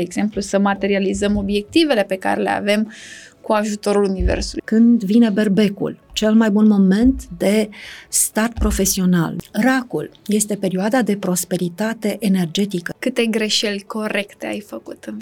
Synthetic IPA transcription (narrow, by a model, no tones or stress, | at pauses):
eeɡz̥e̞mplusəmat̪e̞ɾializəmo̞bje̞k̚t̪ive̞le̞pe̞ka̰ɾele̞̰a̰ve̞mkuaʒut̪o̞ɾulunivḛrsuṵkɨnd̪vine̞be̞rbe̞kṵlt͡ʃe̞lmajbunmo̞me̞nt̪d̪e̞st̪at̪̚pɾo̞fe̞sio̞na̰lrakulje̞st̪e̞pe̞ɾioad̪ad̪e̞pɾo̞spe̞ɾit̪at̪e̞ʔene̞rd͡ʒe̞t̪ikəkɨt̪e̞ɡɾe̞ʃe̞lʲko̞ɾe̞kt̪e̞a̰jfəkut̪ɨn